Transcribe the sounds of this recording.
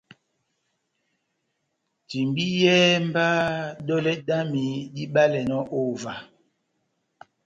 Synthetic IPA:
ti˨mbi˦jɛ˦m˦ba˦ɗɔ˦lɛ˦da˦mi˨di˦ɓa˦lɛ˨nɔ˦ʔo˦˨va˨

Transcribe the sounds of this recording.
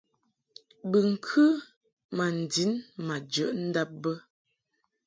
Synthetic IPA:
bə˨ŋ̩˨kʰʉ˦ | ma˨n̩˨di˨˦nma˨d͡ʒə˨˦ʔn̩˦da˦p̚bə˦

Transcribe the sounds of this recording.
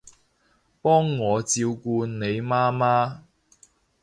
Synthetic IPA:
pɔː˥ŋːɔː˨˧t͡siː˧wkuː˧nne˨˧jmaː˥maː˥

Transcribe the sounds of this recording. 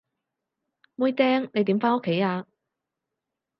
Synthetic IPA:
muː˧˥jt̪ɛː˥ŋne˨˧jt̪iː˨˥mfaː˥o˥kʰːe˨˥jaː˧

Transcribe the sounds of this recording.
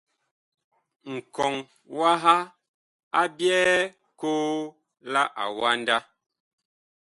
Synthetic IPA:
ŋ̩˨kɔ˨ŋ | wa˦ɦa˦ | a˦bjɛː˦ | koː˦ | la˦ʔa̰˨wa˦n˦da˦

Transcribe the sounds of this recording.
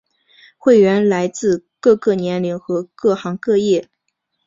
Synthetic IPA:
xwe˥˩ɪɥɛ˧˥nla˧˥ɪt͡sɹ̩˥˧kɤ˥˧kɤ˥˩njɛ˧˥nli˧˥ŋxɤ˧˥kɤ˥˩xɑ˧˥ŋkɤ˥˧jɛ˥˩

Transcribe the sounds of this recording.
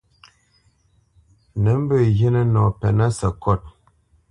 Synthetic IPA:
nə˨˦m̩˦bə˦˨je˦nə˦nɔ˨pɛ˨na˦sə˨kɔ˦˨t̚

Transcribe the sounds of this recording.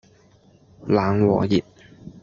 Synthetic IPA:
laː˨˥ŋwɔ̰ː˨˩ji˨t̚

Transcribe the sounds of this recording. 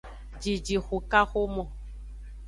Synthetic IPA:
d͡ʒi˨d͡ʒi˨xu˨ka˦xo˦mɔ̃˨

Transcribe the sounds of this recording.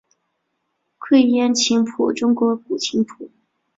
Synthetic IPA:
kʰwe˥˧ɪjɛ˥˩nt͡ɕʰi˧˥ŋpʰṵ˨˩ʈ͡ʂʊ˥ŋkwɔ˧˥p̚u˨˩t͡ɕʰi˧˥ŋpʰu˨˩˦

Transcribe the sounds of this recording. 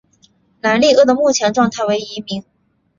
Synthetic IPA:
na˧˥nli˥˧ɤ˥˩d̪ə˩mu˥˩t͡ɕʰjɛ˧˥nʈ͡ʂwɑ˥˧ŋt̪ʰa˥˩ɪwe˧˥ɪi˧˥mi˧˥ŋ

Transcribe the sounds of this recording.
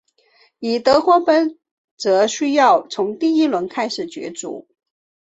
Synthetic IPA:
i˨˩t̪ɤ˧˥xwɔ˥pə˥n | t͡sɤ˧˥ɕy˥jɑ˥˩ʊt͡sʰʊ˧˥ŋt̪i˥˩i˥lwə˧˥nkʰa˥ɪʂɻ̩˨˩t͡ɕɥɛ̰˧˥t͡sṵ˧˩˦

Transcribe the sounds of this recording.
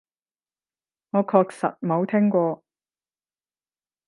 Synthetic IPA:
ŋɔː˨˧kʰɔː˧k̚sɐ̰˨t̚mo˨˧wt̪ʰɪ˥ŋkʷɔː˧

